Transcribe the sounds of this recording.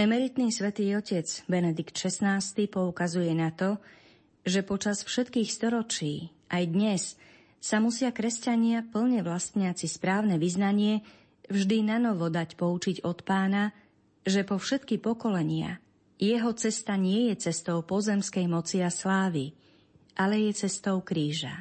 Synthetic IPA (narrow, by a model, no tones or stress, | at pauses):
ɛmɛɾit̪niːsʋɛt̪iːɔcɛd͡zbɛnɛd̪ikt̪ʃɛsnaːst̪ipɔukazujɛnat̪ɔ | ʒɛpɔt͡ʃasfʃɛt̪kiːxst̪ɔɾɔt͡ʃiː | ʔajd̪ɲɛsː | amusɪakɾɛscaɲɪapl̩ɲɛʋlast̪ɲɪat͡sispɾaːʊnɛʋiznaɲɪɛ | vʒd̪inanɔʋɔd̪acpɔut͡ʃiɟɔt̪paːna | ʒɛpɔfʃɛt̪kipɔkɔlɛɲɪa̰ | jɛɦɔt͡sɛst̪aɲɪɛjɛt͡sɛst̪ɔʊpɔzɛmskɛjmɔt͡siaslaːʋi | ʔalɛjɛt͡sɛst̪ɔʊkɾiːʒa̰